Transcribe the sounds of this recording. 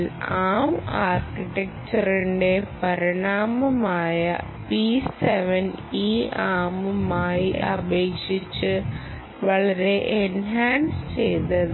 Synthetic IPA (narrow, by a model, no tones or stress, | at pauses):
laːmaːrkiʈek̚t͡ɕɐriɳɖe̞pɐɾiɳaːmɐmaːjɐ̰ | piseʋɐniːaːmɐmaːjiʔɐ̰beːkʂit͡ɕːɨ | ʋɐɭɐɾe̞ʔenɦaːnsɨ̥t͡ɕejt̪ːɐðɨ